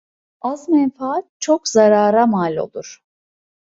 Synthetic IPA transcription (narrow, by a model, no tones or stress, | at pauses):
azmɛnfaat̪̚t͡ʃʰo̞kzaɾaːɾamaːlʲo̞̰lˠuɾ̥